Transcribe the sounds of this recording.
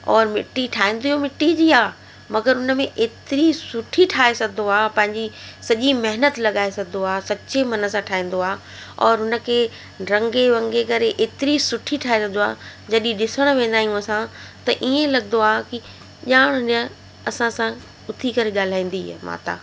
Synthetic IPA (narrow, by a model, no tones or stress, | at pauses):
ɔːɾmɪʈːiʈʰaːĩːn̆d̪iomɪʈːid͡ʑiːaː | mɐɡəɾɦʊnə̆mẽʔeːt̪ɪɾisʊʈʰiʈʰaːesɐɡd̪oaːpɐ̃ɦɪ̃ɲd͡ʑisɐʄimɐɦɪnət̪lɐɠaːesɐɡd̪oaːsɐt͡ɕemɐnə̆sãʈʰaːɦĩːnd̪oaː | ɔːɾɦʊnə̆kʰeː | ɾɐ̃ŋɡeɾɐ̃ŋɡekɐɾeʔeːt̪ɪɾisʊʈʰiʈʰaːɦesɐɡd̪oaːd͡ʑɐɗĩɗɪsəɽ̃ʋẽːn̆d̪aːijũɐsãt̪ɐʔiẽlɐɠnd̪oaːki | ʄaːɽ̃ʊ̃ə̃ | ɐsãsã | ʊt̪ʰikɐɾeɠaːl̤aːĩːn̆d̪ima̰ːt̪a̰ː